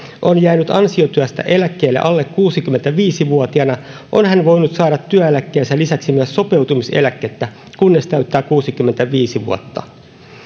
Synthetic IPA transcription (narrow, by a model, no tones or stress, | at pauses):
ʔo̞njæːnyt̪ɑnsiot̪yæst̪æ̰ʔe̞lækːˑeːlːeʔɑlːe̞kkuːsikymːe̞nt̪æʋiːsiʋuot̪iɑnɑʔo̞nhænʋo̞jnut̪sɑːɾɑt̪ːyæelækːeːnsælisæksimyæsːo̞pe̞wt̪umise̞̰lækːet̪ːæ | kunːest̪æɥt̪ːæːkuːsikymːent̪æʋiːsiʋṵot̪ːɑ̰